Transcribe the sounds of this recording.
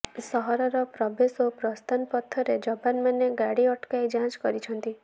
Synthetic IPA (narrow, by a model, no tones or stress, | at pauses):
sɔɦɔɾɔɾɔpɾɔbʱesopɾɔst̪ʰanpɔt̪ʰːɔɾed͡ʒɔpanmaneɡaɽiɔʈkajd͡ʒãt͡ʃkɔɾit͡ʃʰɔnt̪i